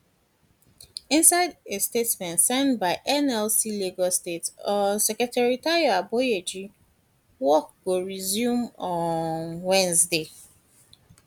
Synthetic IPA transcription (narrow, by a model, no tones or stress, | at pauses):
ĩnsaɪdestetsmɛ̃ntsɛ̃nbaɪʔɛnɛlsileɡɔstetɔsɛkɹɛtaɹitaɹiaabojed͡ʒi | wɔk̚ɡoɹizjũmɔ̃nwɛ̃nzde